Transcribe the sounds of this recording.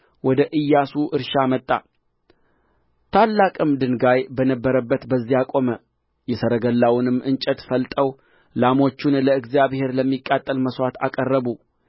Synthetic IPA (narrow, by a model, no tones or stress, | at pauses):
wɔd̪əʔɨjːasuʔɨɾʃamət̪ʼːa̰ | t̪ʰalːakʼɨmd̪ɨnɡajbənəbːəɾəbːət̪bəzːiakʼo̞mə | jɛsəɾəɡəlːawnɨmːʔɨnt͡ʃʼət̪fəlt̪ʼəw | lamo̞t͡ʃːunləɨɡzjaβhe̞ɾləmːikʼːat̪ʼːəlməswat̪a̰kʼərːəβu